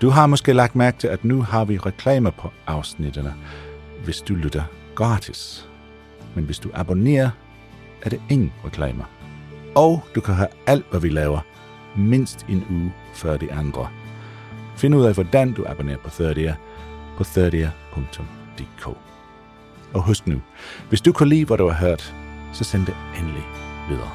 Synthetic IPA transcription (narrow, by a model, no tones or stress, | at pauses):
d̥uɦɑ̈mɒ̽sɡ̥e̝̰ːlɑ̈ɡ̥̚d̥mæɐɡ̥̚t͡sʰe̝læd̥nuɦɑ̈ʋiʁɛkʰlɛ̰ːmɐpʰɒ̽ʔɑ̈ʊsnid̥ənəʋe̝sd̥ulyd̥ɐɡ̥ʁɑ̈ːd̥ʰis | menʋe̝sd̥uʔæb̥o̝ne̝̰ːɐ | ʔæɐɾ̥ee̝ŋn̩ʁɛkʰlɛ̰ːmɐ | ɒʊd̥ukʰæɦææl̰d̥ʋæʋilɛːʊɐ | me̝n̰sd̥e̝nuː | fɶɐd̥iʔɑnd̥ʁɐ | fe̝nəuð̰ˠɛʋɒd̥ænd̥uʔæb̥one̝̰ːɐpʰɒ̽θøɐɾiæpʰɒ̽θøɐɾiɐpʰɔ̽ŋt͡sʰɔ̽md̥e̝̰ːkʰo̰ː | ɒ̽ɦɔsd̥nu | ʋe̝sd̥ukʰulḭːʋæɾuɑ̈ɦøɐ̰d̥sɒ̽send̥eenəliʋið̞ˠɐ̰ː